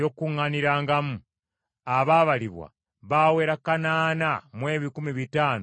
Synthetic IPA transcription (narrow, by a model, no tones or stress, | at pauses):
okuŋːaniɾaːŋɡamu | aβaːβaliβwa̰ | βaːwe̞ɾakanaːnamwe̞ːβikumiβitaːno